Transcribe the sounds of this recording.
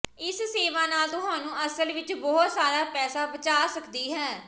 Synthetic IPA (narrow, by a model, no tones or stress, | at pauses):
ɪsseːʋãːnaːlt̪ʊɦãːnũːʔəsəlʋɪt͡ʃbɔːʊt̪saːɾaːpɛːsaːbət͡ʃaːsəkd̪iːɦɛː